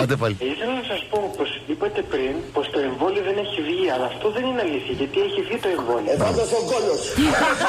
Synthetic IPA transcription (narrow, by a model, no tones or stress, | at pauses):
od̪epɐliiθelɐnɐsɐspo̞po̞sipɐt̪e̞pɾinpo̞st̪o̞e̞ɱvo̞lio̞ðene̞çivʝiɐlɐːft̪o̞ðe̞nineɐliθiɐʝɐt̪ieçivʝit̪o̞e̞ɱvo̞liefɐnd̪ɐseoɡoʎos